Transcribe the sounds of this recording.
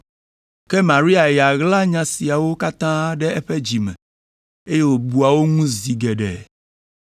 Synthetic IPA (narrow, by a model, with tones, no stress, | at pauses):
kɛ˦mã˨ɾi˦a˨ja˨ɣla˦ɲã˨si˨a˨wo˦ka˦t̪ã˦ɖɛ˦ɛ˦ɸɛ˦d͡ʑi˨mɛ̰̃˨ | e˦je˦wo˨bu˨a˨wo˦ŋũ˦zi˨ɡɛ˨ɖɛ̰˨